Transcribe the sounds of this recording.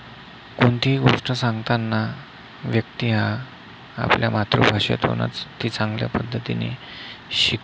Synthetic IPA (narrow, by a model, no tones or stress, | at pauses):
koɳt̪iɡoʂʈəsãŋɡt̪anːa | ʋjək̚t̪iɦa̰ː | pljamat̪ɾṵbʱaɕḛt̪ɦo̰ña̰t͡st̪ːiːt͡saŋɡlja̰pəd̪ʱːət̪ine | ɕik